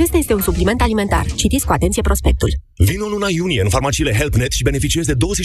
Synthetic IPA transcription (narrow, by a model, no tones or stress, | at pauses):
t͡ʃe̞st̪ajest̪e̞unsuplime̞nt̪alime̞nt̪a̰rt͡ʃit̪it̪skuat̪ent̪sijepɾo̞spe̞k̚t̪ul | vinolunajunije̞ɨnfarmat͡ʃiːle̞ɦelpnet̪ʃibe̞nefit͡ʃiezd̪e̞d̪o̞wəze